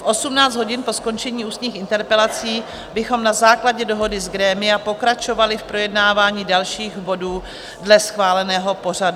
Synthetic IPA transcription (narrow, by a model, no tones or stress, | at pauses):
fʔo̞sumnaːt͡st̪ɦo̞ɟɪnpo̞sko̞nt͡ʃɛɲiːʔuːst̪ɲiːxɪnt̪ɛɾpɛlat͡siː | bɪxo̞mnazaːklaɟɛdo̞ɦo̞dɪzɡɾɛːmɪjapo̞kɾat͡ʃo̞valɪfpɾo̞jɛdnaːvaːɲiːdalʃiːɣbo̞duː | dlɛsxvaːlɛnɛːɦo̞po̞r̝adu